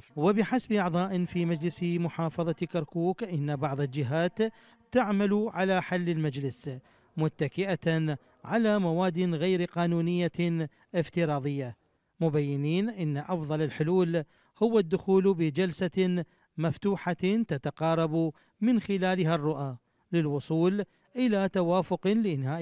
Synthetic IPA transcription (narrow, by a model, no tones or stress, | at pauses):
wɪbɪħasabʔɑʕðˤɑːʔɪnfiːmad͡ʒlɪsmʊħɑːfɑðˤɑkaɾkuːkʔɪnːabɑʕðˤɪld͡ʒɪɦaːt̪ː | aʕmaluʕalaħalːɪlmad͡ʒlɪs | mʊt̪ːakɪʔa | ʕalamawaːd̪ːɪnɣajɾqɑːnuːnɪjːa | ʔɪft̪ɪɾˤɑːðˤɨjːa | mʊbajːɪniːnʔɪnːaʔɑfðˤɑlɪlħʊluːl | hʊwːad̪ːʊxuːlbɪd͡ʒalsa | maft̪uːħat̪at̪aqɑːɾˤɑbu | mɪnxɪlaːlɦarˤːʊʔa | lɪlwʊsˤuːl | ʔɪlat̪awaːfʊqlɪʔɪnhaːʔ